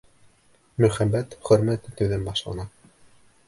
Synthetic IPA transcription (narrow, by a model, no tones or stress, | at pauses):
mɵ̆χæmːæt̪χɵ̆ɾmæt̪ːɘt̪ɘ̆wðɘnbɑʃlˠɑ̰nɑ